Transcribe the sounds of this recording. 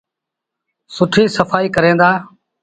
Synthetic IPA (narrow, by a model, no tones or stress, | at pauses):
sʊʈʰiːsəfaːiːkəɾẽːnd̪aː